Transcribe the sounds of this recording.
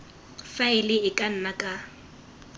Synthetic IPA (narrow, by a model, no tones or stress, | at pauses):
faɪlɪɪkʼan̩nakʼa